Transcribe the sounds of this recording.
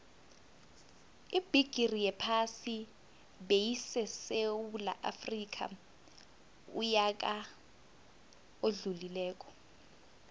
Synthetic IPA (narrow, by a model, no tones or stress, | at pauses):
ib̥iɡ̥ʱirijɛpʰasi | ɓejisɛsewula̰ʔafrik̬ʰʼa̰ | ṵjak̬ʼa | oɮulilɛːk̬ʼɔ̥